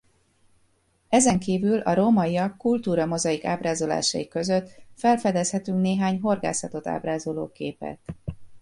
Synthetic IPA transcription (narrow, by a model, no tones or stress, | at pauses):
ɛzɛŋkiːvylɒ̰ɾomɒiɒkːult̪uːɾɒmo̞zɒjikaːbraːzo̞la̰ːʃɒ̰ikø̞zøt̪ːfɛlfɛd̪ɛshɛt̪yŋkneːɦaːɲɦo̞rɡa̰ːsɒt̪o̞t̪a̰ːbraːzo̞lo̰ːkeːpɛ̰t̪